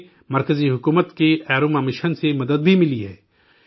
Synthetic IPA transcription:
mɐɾkəziɦʊkuːmət̪keɛːɾumɛːmɪʃənsemɐd̪əd̪̚bʱimɪliɦɛː

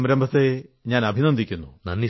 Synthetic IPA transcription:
mɾɐmbʱɐt̪ːeɲaːnɐbʱinɐnd̪ʱikʲːunːunɐnːi

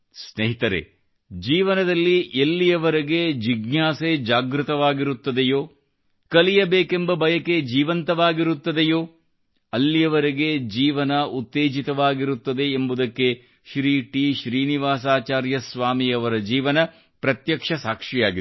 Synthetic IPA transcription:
sneɦit̪ɐɾḛ | d͡ʒiːʋɐnɐd̪ɐlːiʔelːijɐʋɐɾeɡed͡ʒiɡnjaːsed͡ʒaːɡɾut̪ɐʋaːɡiɾut̪ːɐd̪ejoː | kɐlijɐbeːkembɐbʱɐjɐked͡ʒiːʋɐnt̪ɐʋaːɡiɾut̪ːɐd̪ejoː | ɐlːijɐʋɐɾiɡe̞d͡ʒiːʋɐnɐut̪ːeːd͡ʒit̪ɐʋaːɡiɾut̪ːɐd̪e̞ːmbud̪ɐkːe̞ | ʃɾiːʈiːʃɾiːniʋaːsaːt͡ʃaːɾjɐsʋaːmiɐʋɐɾɐd͡ʒiːʋɐnɐ | pɾɐt̪jɐkʂɐsaːkʂijaːɡi

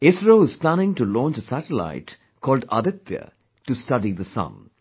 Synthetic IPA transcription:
ɪsɾoːɪz̥plænɪ̃ŋʈulɔ̃ːnt͡ʃəsæʈəla̰ɪʈ | kʰɔːlɖa̰d̪ɪt̪jə̰ | ʈusʈʌɖid̪əsʌ̰̃ŋ

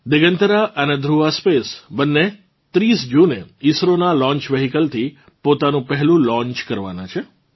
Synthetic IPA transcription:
d̪ɪɡənt̪əɾaʔəned̪ʱɾuʋaspesbənːe | t̪ɾisd͡ʒuneisɾonalɔ̃ɲt͡ʃʋeɦikəlt̪ʰi | pot̪anũpəɦɛlũlɔ̃ɲt͡ʃkəɾʋa̰na̰t͡ʃʰe

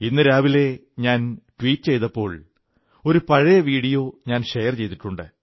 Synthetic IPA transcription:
inːɨɾaːʋile̞ | ɲaːnʈwiːtːɨt͡ɕe̞jt̪ɐpːo̞ːɭ | o̞ɾupɐɻɐjɐʋiːɽijo̞ːɲaːnʂejɐrt͡ɕe̞jt̪iʈːuɳɖɨ

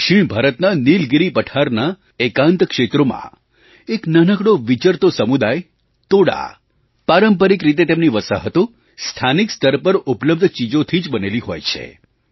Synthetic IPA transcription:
kʃɪɳ̃bʱaɾət̪nanilɡiɾipəʈʰaɾna | ekãnt̪kʃet̪ɾomã̰ | eknənəkɽoʋit͡ʃəɾt̪osəmud̪aj | t̪oɽa̰ | paɾəmpəɾikɾit̪̬et̪emniʋəsa̰ɦət̪o | st̪ʰanikst̪əɾpəɾupləb̚d̪ʱt͡ʃid͡ʒot̪ʰid͡ʒbəneliɦo̰jt͡ʃʰḛ

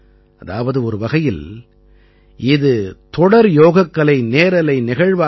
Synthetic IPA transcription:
ɐðaːʋɐðɯɔɾɯʋɐɣɐjɪl | ɪðɯt̪ɔɽɐɾjoːɣɐkːɐɭɐɪneːɾɐlɐɪnɪɣɐɻʋaː

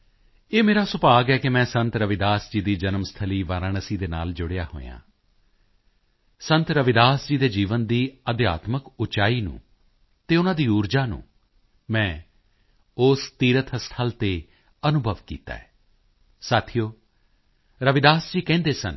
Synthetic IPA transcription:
eːmeːɾaːsʊpaːɡɛːkemɛ̃ːsə̃nt̪ɾəʋɪd̪aːsd͡ʒiːd̪iːd͡ʒənmst̪ʰəliːʋaːɾaːnəsiːd̪eːna̰ːld͡ʒʊɽeja̰ːɦo̰ːjã̰ː | sənt̪ɾəʋɪd̪aːsd͡ʒiːd̪eːd͡ʒiːʋənd̪iːəd̪ja̰ːt̪məkʊt͡ʃaːiːnṵ̃ː | t̪eːʊnãːd̪iːuːɾd͡ʒaːnṵ̃ː | mɛ̃ː | ʊst̪iːɾət̪ɦəst̪ʰəlt̪eː | ənʊbʱəʋkḭːt̪a̰ːɛː | saːt̪ʰijoː | ɾəʋɪd̪aːsd͡ʒiːkɛ̃ːnd̪eːsə̰n

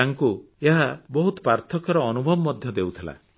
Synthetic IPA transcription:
aŋku | eɦabɔɦut̪ɔ̥paɾt̪ʰɔkɔɾɔːnubʱɔbɔːɔd̪ʱjɔd̪ewt̪ʰila̰

